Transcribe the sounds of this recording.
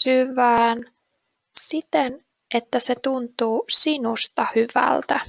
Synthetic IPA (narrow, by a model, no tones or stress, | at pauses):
syʋæːn | sit̪en | ʔet̪ːæset̪unt̪uːsinust̪ɑhyʋæ̰lt̪æ